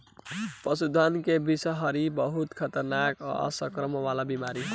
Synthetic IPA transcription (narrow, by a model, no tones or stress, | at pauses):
pəsud̪ʱankebisəɦʌɾibəɦut̪kʰət̪əɾnakʌ̰ʌ̰səkɾəməβalabimaɾi